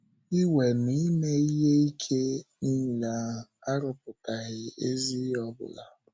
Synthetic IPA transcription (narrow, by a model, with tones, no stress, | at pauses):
i˦we˨ni˦me˦i˦ɦe˦i˦kʰe˦ni˦˨la˨a˦ɾʊ˦p̚ʊ˨ka˨ɣɪ˦e˦zi˦ɔ˦bʊ̰˨la˨